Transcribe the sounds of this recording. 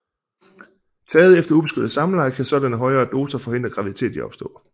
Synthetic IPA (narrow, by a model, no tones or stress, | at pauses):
t͡sʰɛːð̞̩ˠefd̥ɐub̥e̝sɡ̥ødð̩ˠsɑ̈mlɑ̈ɪkʰæsɒ̽d̥ænəɦɒ̽ɪɐːd̥o̝ːsɐfɒ̽he̝n̰d̥ʁɐɡ̥ʁɑ̈ʋiðit͡sʰe̝̰ːd̥iɒ̽b̥sd̥ɔ̰̽ː